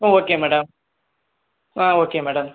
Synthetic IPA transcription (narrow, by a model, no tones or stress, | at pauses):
oːoːkemɛɽɐm | aːoːkːemɛːɽɐm